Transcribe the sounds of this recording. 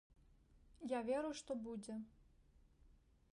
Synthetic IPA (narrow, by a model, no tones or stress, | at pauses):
javʲɛɾuʂt̪ɔbud͡zʲɛ